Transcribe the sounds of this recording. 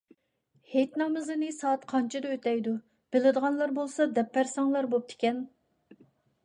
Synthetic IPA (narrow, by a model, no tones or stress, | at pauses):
het̪nɑmɨzɨnɨsɑːt̪qʰɑnt͡ʃʰɪd̪ɛøt̪ɛjd̪u | b̥ɪlɪd̪əʁɑnlˠɑɾbolˠsɑd̪ɛpʰːæɾsɑŋlˠɑɾbop̚t̪ʰɪ̥kʲɛn